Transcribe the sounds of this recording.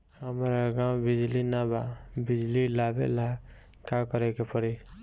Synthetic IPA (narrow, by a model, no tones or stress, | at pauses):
həmɾaɡãw̃bid͡ʒlinababid͡ʒlilabḛla | kakəɾɛkepəɾi